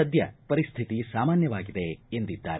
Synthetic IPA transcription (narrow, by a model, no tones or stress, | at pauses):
ɐd̪ʱjɐ̰pɐɾist̪ʰit̪isaːmaːnjɐʋaːɡid̪eend̪id̪ːa̰ːɾe